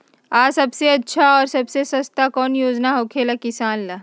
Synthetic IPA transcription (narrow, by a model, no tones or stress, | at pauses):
aːsɐbseɐtːʃʰaɔːɾsɐbsesɐst̪akɔːnjoːd͡ʒnaɦoːkʰelɐkɪsaːnla